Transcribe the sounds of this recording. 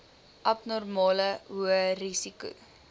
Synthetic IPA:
ʔɐpnɔrmɑːləɦuərisikṵ

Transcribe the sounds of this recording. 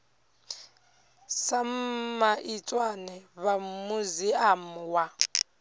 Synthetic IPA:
samaʔit͡sʼwanɛβamuziamuwa

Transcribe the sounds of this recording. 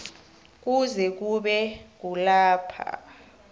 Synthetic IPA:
k̬uzɛk̬uɓɛk̬ulaːpʰa̰

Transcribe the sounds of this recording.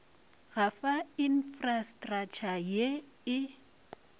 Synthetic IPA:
ɣafainfrastʼrat͡ʃʰaje | ɪ

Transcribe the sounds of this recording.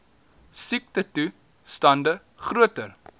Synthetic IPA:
sik̚tətu | stɐndə | χruətər

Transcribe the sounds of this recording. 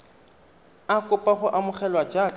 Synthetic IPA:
akʼʊpʼaχʊʔamʊχɛlwad͡ʒaː

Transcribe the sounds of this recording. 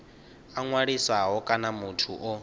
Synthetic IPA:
aŋwaɺisaɦɔkʼanamutʰuʔɔ

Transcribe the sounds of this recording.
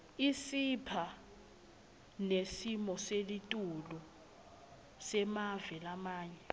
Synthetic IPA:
isipʰa | nesimɔselitʼulu | sɛmavɛlamaːɲɛ

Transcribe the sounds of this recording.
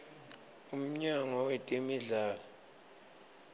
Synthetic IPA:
um̩ɲaŋɔwetʼimiɮaːlɔ

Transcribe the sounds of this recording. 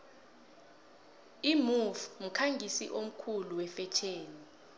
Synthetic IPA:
imufm̩kʰaŋɡʱisḭʔom̩kʰuluwɛfɛt͡ʃʰeːni

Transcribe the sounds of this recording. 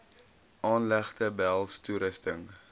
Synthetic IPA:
ʔɑːnlæχtəbælˠstuɾəstəŋ

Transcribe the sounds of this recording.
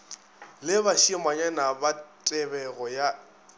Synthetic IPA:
lɪbaʃimaɲanabatʼɛbɛɣɔja

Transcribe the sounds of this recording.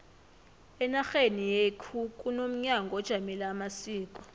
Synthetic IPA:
ɛnaxenijekʰukʼunom̩ɲaŋɡʱɔd̥ʒ̥ʱamɛlaːmasiːkʼɔ̥

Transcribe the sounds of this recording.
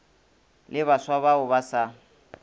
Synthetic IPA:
lɪβaswaβaʊbasa

